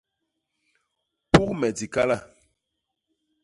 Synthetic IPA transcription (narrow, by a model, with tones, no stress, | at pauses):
pu˦kmɛ˨di˨ka˦la˦˨